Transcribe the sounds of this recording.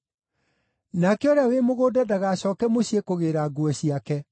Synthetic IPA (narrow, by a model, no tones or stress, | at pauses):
nakeɔɾeawemoɣoːdɛdaɣaːɕɔːkɛmoɕiekoɣeɾaɡuɛɕiakɛ